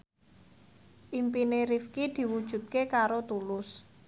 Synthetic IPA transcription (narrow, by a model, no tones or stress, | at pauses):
ʔimpineɾifkid̪̥i̤wud̥ʒ̥ṳt̪̚kekaɾot̪ulʊs